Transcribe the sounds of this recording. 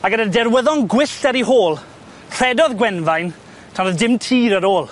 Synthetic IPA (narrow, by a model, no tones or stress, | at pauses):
aɡənədɛɾwəðɔnɡwɪɬtɛɾiɦoːlˠ | r̥ɛdɔðɡwɛnvajn | tʰanɔðdɪmtʰiːɾəɾoːlˠ